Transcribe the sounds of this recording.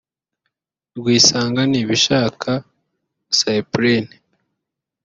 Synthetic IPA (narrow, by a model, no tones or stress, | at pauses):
ɾɡwiːsaːŋɡaniːβiʃaːkʰa | saipɾen